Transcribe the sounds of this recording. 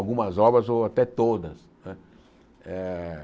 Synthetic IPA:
wɡũmɐzɔbɾɐzoat̪ɛt̪od̪ɐs | nɛ | ɛ

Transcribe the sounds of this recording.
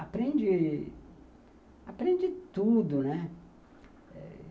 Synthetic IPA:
apɾẽnd͡ʒɪ | apɾẽd͡ʒɪt̪ud̪ʊnɛ | ɛ̰

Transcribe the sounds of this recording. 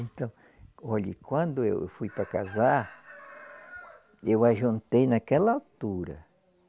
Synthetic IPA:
ẽnt̪ɐ̃w̃ | oʎḭkwɐ̃nd̪ʊḛwfujpɾakazaɾ | ewajʒũnt̪ejnakɛlɐalt̪uɾɐ̰

